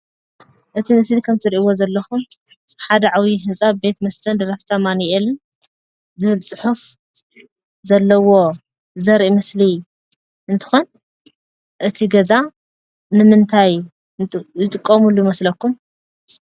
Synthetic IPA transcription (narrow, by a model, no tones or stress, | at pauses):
ʔɨt̪ʰimɨslikʰɐmt̪ʰɨɾiʔiwozɐlːɐxum | ħad̪ɐʕawiɦɨnt͡sʼabe̞t̪mɐst̪ʰɐnd̪ɾɐft̪ʰɐmanjel | zɨβɨlt͡sʼɨħuf | zɐlːɐwo̞ | zɐɾʔimɨsli | ɨnt̪ʰɨ̥xo̞n | ʔɨt̪ʰiɡɐza | nɨmɨnt̪ʰaj | ɨt̪ʼɨkʼːɐmulujɪmɐslɐkːum